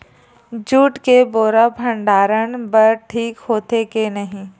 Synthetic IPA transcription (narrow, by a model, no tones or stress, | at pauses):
d͡ʒuːʈkeboːɾabʱə̃ɳɖaːɾəɳbəɾʈʰiːkɦoːt̪ekenɐɦĩː